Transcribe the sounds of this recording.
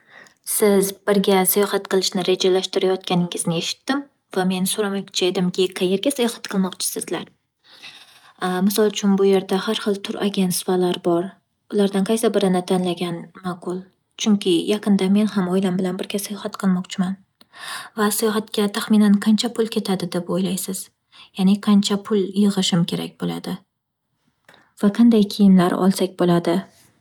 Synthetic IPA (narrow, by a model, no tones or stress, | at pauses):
sɪzbɪɾɡʲasajɒhɑt̪qʰɨlˠɪʃnɪɾe̞d͡ʒalaʃt̪ɪɾajɒt̪̚kʲanɪŋɪznɪe̞ʃɪ̥t̪ːɪm | vame̞nsoɾamakʲt͡ʃʰaed̪ɪmkʲɪqʰɑje̞ɾɡʲasajɒhɑ̥t̪qʰɨlˠmɒqt͡ʃʰɪ̥sɪzlaɾ | mɪsɒlˠt͡ʃʰʊnbʊje̞ɾd̪ahaɾχɨlˠt̪ʰʊɾʔaɡʲent̪svalaɾbɒɾ | ʊlaɾd̪anqʰɑjsabɪɾɪnɪt̪ʰanlaɡʲanmaqʰʊlˠ | t͡ʃʰʊŋkʲʰɪjʔɑqʰɨnd̪ame̞nhamɒjlambɪlanbɪɾɡʲasajɒhat̪qʰɨlˠmɒqt͡ʃʰɪman | vasajɒɦat̪kʲat̪ʰaχmɪnanqʰɑnt͡ʃʰapʰʊlˠkʲʰe̞t̪ʰad̪ɪd̪e̞pojlajsɪz̥ | janɪqʰɑnt͡ʃʰapʰʊlˠjɨʁɨʃɪmkʲe̞ɾa̰kʲbola̰d̪ɪ | v̥aqʰɑnd̪ajkʲʰijɪmlaɾɒ̰lˠsakʲbolad̪ɪ